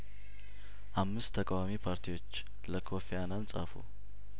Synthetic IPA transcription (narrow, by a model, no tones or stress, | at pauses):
ʔamːɨst̪ʰːəkʼawamipʰaɾt̪ʰiwo̞t͡ʃː | ləkʰo̞fejanansʼa̰fṵ